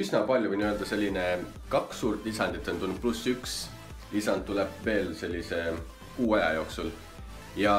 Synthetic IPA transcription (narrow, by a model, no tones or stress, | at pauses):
ysnɑpɑlʲjuvɨijnø̞ld̪̥ɑse̞lʲːine | kɑksːuːɾt̪ˑːlisɑnd̪̥it̪ːont̪unːup̪̚plusːyks | lisɑnd̪̚ːuleb̥ve̞ːlse̞lʲːise̞ | kuːɑjɑ̰jo̞ːksul | jɑ